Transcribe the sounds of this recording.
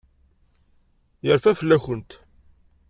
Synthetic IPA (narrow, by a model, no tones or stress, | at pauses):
jəɾfæfəlːæçənt̪